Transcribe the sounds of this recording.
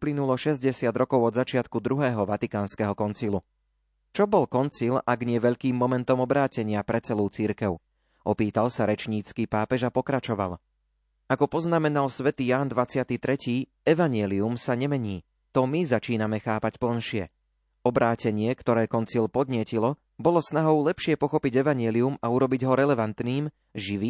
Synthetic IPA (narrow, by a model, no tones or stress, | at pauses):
uplinulɔʃɛzɟɛsɪad̪ɾɔkɔʊɔd̪zat͡ʃɪat̪kud̪ɾuɦɛːɦɔʋat̪ikaːnskɛɦɔkɔnt͡silu | t͡ʃɔbɔlkɔnt͡silaɡɲɪɛʋɛʎkiːmːɔmɛnt̪ɔmɔbɾaːcɛɲɪapɾɛt͡sɛluːt͡siɾkɛʊ | ʔɔpiːt̪alsaɾɛt͡ʃɲiːt͡skiːpaːpɛʒapɔkɾat͡ʃɔʋa̰l | akɔpɔznamɛnalsʋɛt̪iːjaːnd̪ʋat͡sɪat̪it̪ɾɛciː | ɛʋaɲɪɛliumsaɲɛmɛɲiː | t̪ɔmizat͡ʃiːnamɛxaːpacpl̩nʃɪɛ̰ | ɔbɾaːcɛɲɪɛkt̪ɔɾɛːkɔnt͡silpɔd̪ɲɪɛcilɔ | bɔlɔsnaɦɔʊlɛpʃɪɛpɔxɔpiɟɛʋaɲɪɛliumauɾɔbiɟɦɔɾɛlɛʋant̪niːm | ʒiʋiː